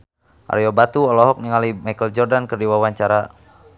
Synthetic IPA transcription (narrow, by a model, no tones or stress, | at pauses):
ʔa̰rjɔbat̪uɔlɔɦɔk̚niŋalimajkəld͡ʒɔrdankərdiwawaɲt͡ʃaɾa